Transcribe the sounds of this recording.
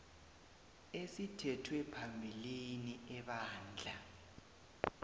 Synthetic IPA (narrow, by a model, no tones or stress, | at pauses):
esitʰɛtʰwɛpʰambʱiliniɛɓaːnd͡ɮʱa